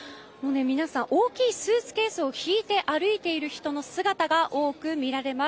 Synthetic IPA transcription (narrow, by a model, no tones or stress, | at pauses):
moːnemʲinasãŋ̃ʔo̞ːkʲiːsɨːsɨ̥ke̞ːsɨoçiːt̪e̞ʔaɾɯ̟it̪e̞iɾɯ̟çi̥t̪o̞no̞sɨɡat̪aɡaʔo̞ːkɯ̟mʲiɾaɾe̞ma